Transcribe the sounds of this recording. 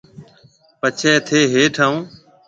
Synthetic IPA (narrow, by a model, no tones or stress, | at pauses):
pət͡ʃʰɛːt̪ʰeːɦeːʈʰaːũː